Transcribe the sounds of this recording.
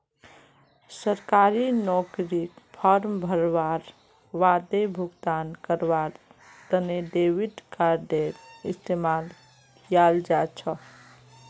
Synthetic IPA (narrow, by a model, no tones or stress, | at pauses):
səɾkaɾinɔkɾikpʰəɾmbʱəɾʋaɾ | ʋad̪ebʱuɡt̪ankəɾʋaɾ | t̪əneɖeʋiɖkaɾɖeɾist̪emal | jald͡ʒat͡ʃʰə